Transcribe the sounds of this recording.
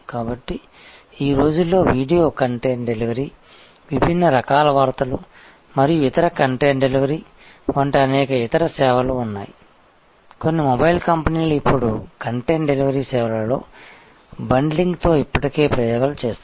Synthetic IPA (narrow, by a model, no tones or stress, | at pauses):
kaːbɐʈːi | iːɾo̞ːd͡ʒulːo̞ːʋiːɖijo̞ːkɐɳʈe̞ːɳɖe̞liʋɐɾiː | ʋibʱinːɐɾɐkaːlɐʋaːɾt̪ɐlu | mɐɾijuit̪ɐɾɐkɐɳʈeːɳɖe̞liʋɐɾiː | ʋɐɳʈɐɐnɛːkɐit̪ɐɾɐsɛːʋɐloːunːa̰ːji | ko̞nːimobɐjilkɐmpɐniːluipːuɽukɐɳʈeːɳɖe̞liʋɐɾiːsɛːʋɐlɐlo̞̰ː | bɐɳɖliŋɡt̪o̞ːipːɐʈike̞ːpɾɐjɔːɡɐlɐt͡ʃeːst̪